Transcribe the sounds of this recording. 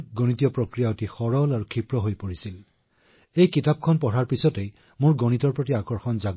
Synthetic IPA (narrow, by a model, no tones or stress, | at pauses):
ɡonitijɔpɹokɹijaotixɔɹɔlaɹukʰipɹɔɦojpoɹisil | ejkitap̚kʰɔnpɔɹaɹpisɔte | mʊɹɡonitɔɹpɹotiakɔɹxɔnzaɡ